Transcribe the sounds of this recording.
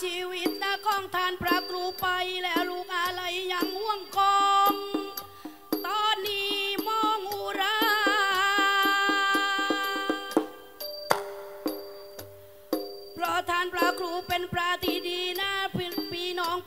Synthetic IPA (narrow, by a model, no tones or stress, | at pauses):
t͡ɕʰiːwit̪̚nakɔːŋt̪ʰaːnpɾaːkʰɾuːpajlɛːwɾuːk̚ʔalajːaŋhuəŋkɔːŋ | t̪ɔːnːiːmɔːŋuɾaː | pɾɔt̪ʰaːnpɾakʰɾuːpenpɾat̪ʰidiːnaːpiːnɔːŋ